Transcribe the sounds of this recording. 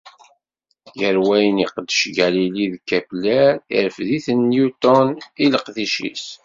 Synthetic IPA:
jəɾwæjəniqəd̪ːəʃɡæliliðkːæplæḭɾəfðiθənːjut̪ɔniləqðiʃḭs

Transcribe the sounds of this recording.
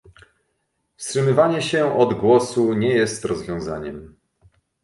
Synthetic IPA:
fstʂɘmɘvaɲɛɕɛʔɔd̪ɡwɔsuɲɛjɛst̪ɾɔzvʲjɔ̃w̃za̰ɲɛm

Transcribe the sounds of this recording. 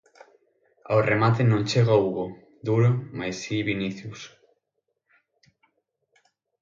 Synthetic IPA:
a̰wremat̪enõŋt͡ʃeɣauɣo | d̪uɾomajsiβiniθjus

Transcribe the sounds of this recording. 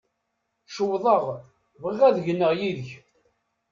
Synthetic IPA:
ʃəwðˤəʁ | vəʁːæðʝənːəʁjiðəç

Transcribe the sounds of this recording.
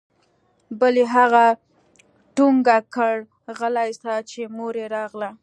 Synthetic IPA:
bəleɦaɣa | ʈuŋɡakəɽ | ɣəlajst̪at͡ʃemoɾeɾɑɣla

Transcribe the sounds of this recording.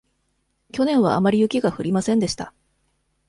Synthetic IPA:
kʲo̞nẽ̞ɰ̃β̞a̰ːmaɾʲijɯ̟kʲiɡaɸɯ̟ɾʲimasẽnd̪e̞ɕi̥t̪a

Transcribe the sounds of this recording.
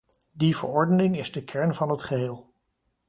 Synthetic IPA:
div̥ə̰ɹɔɹdənɪŋɪzdəkʰɛɹnvɑnɦətχəɦeːlˠ

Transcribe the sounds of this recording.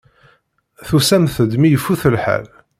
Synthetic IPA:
θusæmθəd̪mijəfːuθəlħa̰l

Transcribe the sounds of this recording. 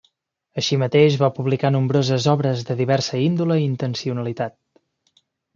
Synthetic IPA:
əʃimət̪eʒβapuβlikanumbɾozəzɔβɾəzðəðiβɛrsəind̪uləiint̪ənsiunəlit̪at̪̚

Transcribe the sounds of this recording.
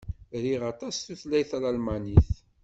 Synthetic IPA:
ɾiʁɑt̪ˤɑsθuθlæjθælalmaniθ

